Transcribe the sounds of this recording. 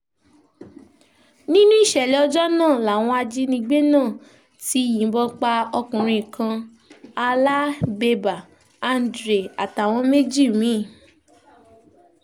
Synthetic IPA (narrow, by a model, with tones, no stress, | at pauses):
nĩ˦nũ˦i˦˨ʃɛ˨lɛ˨˦ɔ˧d͡ʒɔ˦nãː˦˨la˨w̃ɔ̃˧a˧d͡ʒi˦nĩ˧ɡ͡be˦nãː˦˨ | ti˦jĩ˨˦bɔ˧k͡pa˧ɔ˧kũ˨ɾ̃ĩ˧i˨kã˧ | a˧la˦be˧ba˨ | a˧n˨dɾe˨a˨ta˨w̃ɔ̃˧me˦d͡ʒi˦˨mĩ˨˦˨